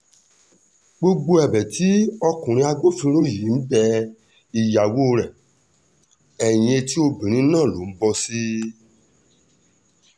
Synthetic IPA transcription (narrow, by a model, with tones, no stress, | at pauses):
ɡ͡bo˧ɡ͡bo˧˦ɛ˨bɛ˨ti˨˦ɔ˧kũ˨ɾ̃ĩ˧˦a˧ɡ͡bo˦fĩ˧˦ɾo˦˨ji˨˦n̩˦bɛ˧ | i˨ja˨wo˦˧ɾɛ˨ | ɛ˨j̃ĩ˧e˧ti˦o˧bĩ˨ɾ̃ĩ˨˦nãː˦˨lo˨˦˨m̩˦bɔ˧si˦